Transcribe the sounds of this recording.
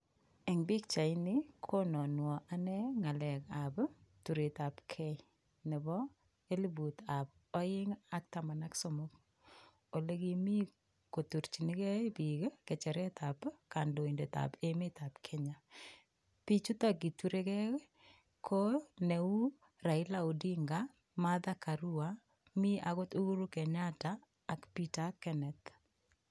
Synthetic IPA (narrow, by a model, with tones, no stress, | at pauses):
ɛ˨ŋbi˦kt͡ʃa˨ɪnɪkʰo˦nɔ˨nwɔ˨ʔa˦nɛ˦ŋa˨lɛ˨kabtu˨ɾe˨ta˨pkʰɛ˦ | nɪ˨bɔ˦ | e˦li˦bu˨ta˨b | ɔ˦ɪ˦ŋa˦k̚ta˨ma˨na˦ksomʊ˦k | o˨le˦kimi˦ | ko˨tu˨ɾt͡ʃinɪ˦kɛ˦bi˨ke˦kɛ˨t͡ʃɛ˨ɾɛ˦tʰa˨pka˨ndo˨i˨nde˨t̪a̰peme˦t̪a˨pkʰe˦ɲa | pi˦t͡ʃu˦t̪ɔ˦ɡi˨tu˦ɾe˦kɛ˦ | kʰo˦ne˨u˦ | ɾa˨ɪ˦la˦o˨di˦ŋɡa | maða˦ka˨ɾu˦a | mi˦ʔa˨ɣo˦t̪o˦ɡu˦ɾu˦kɛ˨ɲa˦taː˨ | kpitakɛnɛ˨t̪